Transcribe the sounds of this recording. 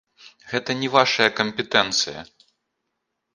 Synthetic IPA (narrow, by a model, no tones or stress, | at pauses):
ɣɛt̪ɐnʲɛvaʂɐjɐkɐmʲpʲɛt̪ɛnt̪sɨjɐ̰